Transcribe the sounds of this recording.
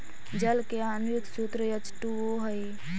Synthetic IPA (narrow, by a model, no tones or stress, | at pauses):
d͡ʒəlkeaːnjʊksut̪ɾəjət͡ʃʈuoɦəj